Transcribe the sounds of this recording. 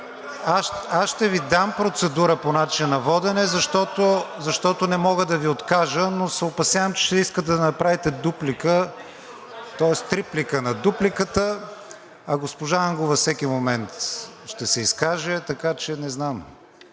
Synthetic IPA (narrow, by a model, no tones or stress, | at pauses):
aʃasʃt̪ɛvid̪ampɾot̪sɛd̪uɾəponat͡ʃinɐvɔd̪ɛnɛzɐʃt̪ɔt̪ozɐʃt̪ɔt̪onɛmɔɡəd̪ɐviot̪kaʒənosɛopɐsjavəmt͡ʃɛ̥ʃt̪ɛiskət̪d̪ɐnɐpɾavit̪ɛd̪uplikə | t̪ɔɛst̪ɾiplikənɐd̪uplikət̪ə | ɐɡospoʒaəŋɡovɐfsɛk̟imomɛnt̪ʃt̪ɛsɛiskaʒɛt̪ɐkat͡ʃɛnɛznam